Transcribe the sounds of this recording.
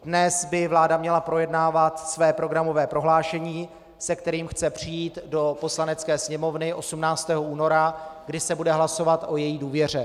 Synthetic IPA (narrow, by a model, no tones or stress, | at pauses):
dnɛsbɪvlaːdamɲɛlapɾo̞jɛdnaːvat̪svɛːpɾo̞ɡɾamo̞vɛːpɾo̞ɦlaːʃɛɲiː | sɛkt̪ɛɾiːmxt͡sɛpr̝̥ɪjiːt̪do̞po̞slanɛt͡skɛːsɲɛmo̞vnɪʔo̞sumnaːt͡st̪ɛːɦoʔuːno̞ɾaɡdɪsɛbudɛɦlaso̞vat̪ʔo̞jɛjiːduːvjɛr̝ɛ